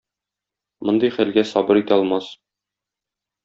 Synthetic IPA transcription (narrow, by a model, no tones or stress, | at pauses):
mŏnd̪ɤjχælɡæsɒbɤɾit̪æɒlˠmɑs